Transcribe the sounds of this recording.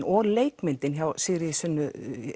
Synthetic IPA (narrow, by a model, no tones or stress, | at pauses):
ɔɣleːjkmɪnt̪ɪnçawsɪːɣɾɪsʏnːʏ